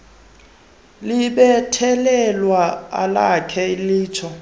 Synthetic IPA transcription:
liɓɛtʰɛlɛlwaa̰lakʰɛiliːt͡ʃʰɔ

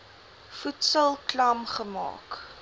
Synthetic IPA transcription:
futsəlˠklɐmχəmɑ̰ːk

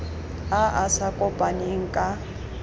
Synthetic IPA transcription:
aʔasakʼɔpʼaneŋ̩kʼa

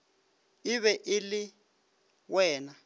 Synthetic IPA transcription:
ɪβɛʔɪlɪ | wɛːna

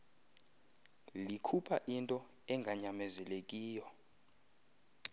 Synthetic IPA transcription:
likʰupʰaʔintʼɔ | ɛŋɡʱaɲamɛzɛlekʼiːjɔ

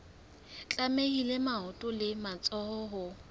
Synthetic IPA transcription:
t͡ɬʼamehilemaʊtʼʊlɪmat͡sʼɔhɔɦʊ

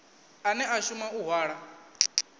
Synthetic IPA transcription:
anɛʔaʃumauɦwaːɺa

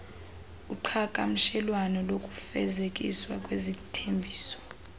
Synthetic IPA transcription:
uǃʰakʼam̩ʃɛlwanɔlokʼufɛ̰zek̬ʼḭswakʼwezitʰembʱiːsɔ̥

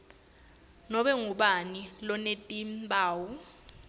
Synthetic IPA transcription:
nɔɓɛŋuɓanilɔnetʼimɓaːwu

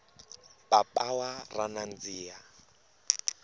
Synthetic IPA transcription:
papʼawaranand͡ziːa

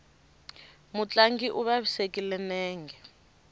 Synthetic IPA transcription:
mut͡ɬʼaŋɡiʔuβaβisekʼilɛnɛːŋɡɛ

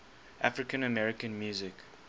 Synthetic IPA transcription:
ʔafɹɪkə̃nəmɛɹɪkə̃nmjuːzɪk

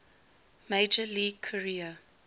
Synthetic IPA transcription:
meɪd͡ʒəliːɡ̚kʰɔɹiːə

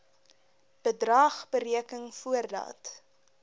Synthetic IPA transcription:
b̥ədrɑːχbəɾiəkəŋfuərdɑ̰ːt

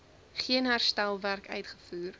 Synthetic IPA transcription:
χiənɦærstælˠværkœ̰ɥtχə̥fuːr

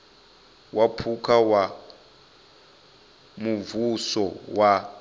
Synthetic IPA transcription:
wapʰukʰawa | muvusɔwa

